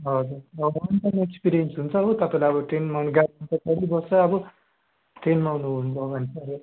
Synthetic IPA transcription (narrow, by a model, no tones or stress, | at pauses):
ɦʌd͡zurʌbɦʌʌnitʌnekspiɾijʌnsɦunt͡sʰʌɦot̪ʌpaĩlaʌbʌʈrenmawnɡaant̪ʌkʌɾibʌsʌʌbʌ | ʈrenmaunuɦunubʱʌbʱʌnesʰʌɾe